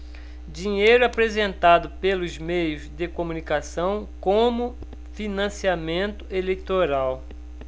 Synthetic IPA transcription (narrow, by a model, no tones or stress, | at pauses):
d͡ʒiɲejɾʊapɾezẽnt̪ad̪ʊpelʊzmejʊzd̪ɪkomũnikasɐ̃w̃kõmʊ | finɐ̃siamẽnt̪ʊ̥elejt̪oɾaw